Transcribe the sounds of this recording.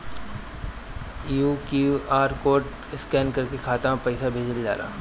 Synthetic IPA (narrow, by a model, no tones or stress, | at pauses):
juːkuaːɾkoːɾʈ | ɪskɛːnkɐɾkekʰaːt̪apɛɪsabʱeːd͡ʒəld͡ʒa̰ːɾa̰ː